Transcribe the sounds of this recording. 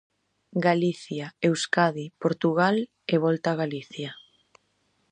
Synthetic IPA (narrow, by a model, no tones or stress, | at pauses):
ɡaliθjaewskaðipoɾt̪uɣ̞al | eβ̞ɔlt̪aːɣaliθja